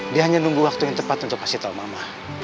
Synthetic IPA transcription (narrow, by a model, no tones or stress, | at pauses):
diaɦaɲanuŋɡuwak̚t̪ujaŋt̪əpat̪unt̪ʊkpasit̪aumamah